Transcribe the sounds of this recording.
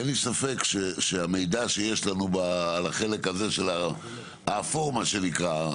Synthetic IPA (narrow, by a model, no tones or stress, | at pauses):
enlisafe̞kʃeʃeame̞jd̪aʃe̞je̞ʃlanubaːlaχe̞le̞kaze̞ʃela | afoʁmaʃe̞nikʁa